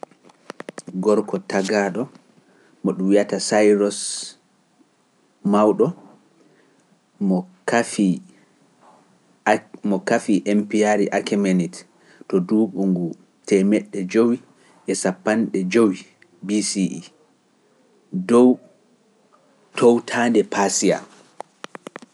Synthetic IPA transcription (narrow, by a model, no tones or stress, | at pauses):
ɡɔɾkɔtaɡaɗɔ | mɔɗumjatasajɾɔs | mawɗɔ | mɔkafi | mɔkafiʔɛmpiaɾiʔakɛmenit | tɔduːɓuŋɡu | tʰɛmɛɗːɛd͡ʒowi | ʔɛsapːanɗɛd͡ʒowi | bisiʔi | dɔw | tʰɔwtʰaːndɛpasia̰